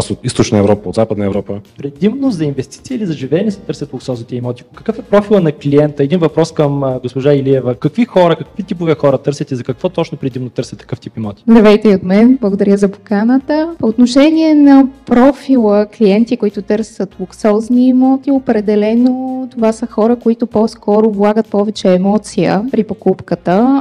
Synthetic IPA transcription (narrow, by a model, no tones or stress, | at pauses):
asot̪ist̪ot͡ʃnəɛvɾɔpəod̪zapəd̪nəɛvɾɔpəpɾɛd̪imnozɐinvɛst̪i̥t̪siːlizɐʒivɛɛnisɛt̪ɤɾsʲɐt̪lˠʊksɔznit̪ɛimɔt̪ʲikəkɤfɛpɾɔfilˠənɐkliɛnt̪əɛd̪invɐpɾɔskəmɡospoʒailiɛvəkɐkvixɔɾəkɐkvit̪ipovɛxɔɾət̪ɤɾsʲɐt̪ɛzɐkɐkvɔt̪ɔt͡ʃnopɾɛd̪imnot̪ɤɾsʲɐt̪ɐ̥kɤft̪ipimɔt̪ʲi̥zɐvɛjt̪ɛiot̪mɛnblˠəɡod̪ɐɾʲəzɐpo̥kanət̪əpoːt̪noʃɛniɛnɐpɾɔfilˠəkliɛnt̪ikoit̪ʊt̪ɤɾsət̪lˠuksɔznimɔt̪iopɾɛd̪ɛlɛnot̪ovasəxɔɾəkoit̪ʊpɔskɔɾoblˠaɡət̪̚pɔvɛt͡ʃɛːmɔt̪sijə̰pɾipokupkət̪ə